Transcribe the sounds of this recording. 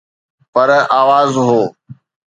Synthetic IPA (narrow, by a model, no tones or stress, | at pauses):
pəɾaːʋaːzɦoː